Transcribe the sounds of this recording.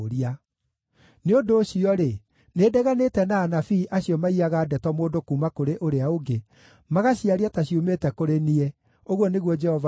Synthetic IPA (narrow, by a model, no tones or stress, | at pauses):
ɾia | neondoːɕiɔɾe | nedɛɣanetɛnaːnafiːʔaɕjɔmaiaɣaːdɛtɔmoːndokuːmakoɾeʔoɾeaoɡe | maɣaɕiaɾiataɕiumetɛkoɾeniɛ | oɣwɔneɣwɔd͡ʒɛhɔv